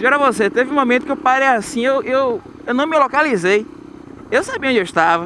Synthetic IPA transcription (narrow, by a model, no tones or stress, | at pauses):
d͡ʒɔɾɐvoset̪evɪ̃ũmõmẽt̪ʊ̥kewpaɾejasĩewʔew | ewnɐ̃w̃milokalizej | ewsabiɐõd͡ʒewʃt̪avɐ